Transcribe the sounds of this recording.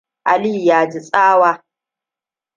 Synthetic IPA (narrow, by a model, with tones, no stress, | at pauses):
ʔa˨li˦˨jaː˨d͡ʒi˨sʼaː˦waː˦